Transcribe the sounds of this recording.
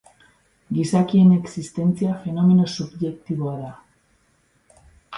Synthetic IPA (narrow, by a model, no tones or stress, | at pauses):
ɡisakie̞ne̞ksist̪e̞nt͡siafe̞no̞me̞no̞subʝe̞kt̪iβo̞aða